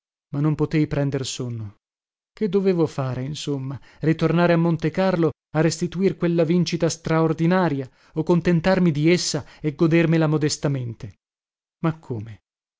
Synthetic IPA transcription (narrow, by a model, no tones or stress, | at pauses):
manːompot̪ejpɾɛnd̪ersonːo | ked̪ːoveːvofaːɾeinsomːarit̪ornaːɾeamːont̪ekarlo | arːest̪it̪uirkwelːavint͡ʃit̪ast̪ɾaord̪inaːɾja | okːont̪ent̪armid̪iesːaeɡːod̪ermelamod̪est̪ament̪e | makʰːoːme